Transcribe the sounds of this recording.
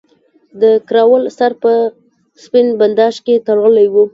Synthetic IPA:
d̪əkɾɑwəlsaɾpə | spɪnband̪ɑʃket̪alɣəlajwu

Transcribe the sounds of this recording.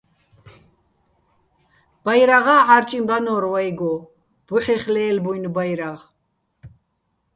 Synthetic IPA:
b̥ajɾaʁaːʕaɾt͡ʃʼimbanɔːɾwajɡɔ | b̥uħɛχlɛːlbujnbajɾaʁ

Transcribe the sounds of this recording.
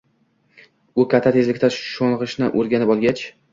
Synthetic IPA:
ʊkʰʲat̪ʰːat̪ʰe̞zlɪkʲt̪aʃoɴˠʁɨʃnɪʔoɾɡʲanɪpɒlˠɡʲat͡ʃ

